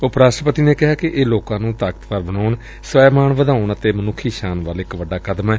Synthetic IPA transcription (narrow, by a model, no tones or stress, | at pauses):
ʊpɾaːsʈɾəpət̪iːneːkɪɦaːkɪʔeːloːkãːnũːt̪aːkət̪ʋaːɾbənaːʊɳ | sʋɛːmaːɳʋəd̪aːʊɳət̪eːmənʊkʰːiːʃaːnʋaːlɪkʋəɖːaːkəd̪mɛː